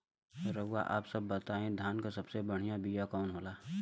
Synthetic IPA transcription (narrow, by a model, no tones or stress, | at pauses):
oɾɐɡwaʔa̰ːpsɐbːɐt̪aːẽd̪ʱjaːnkasɐbsebɐɽ̤ijãbijakɔːnɦoːlaː